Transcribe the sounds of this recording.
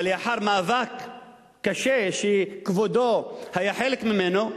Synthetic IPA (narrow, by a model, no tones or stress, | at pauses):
ljaħaɾmaːvakː | aʃeʃekvod̪ohajaħelekmimeno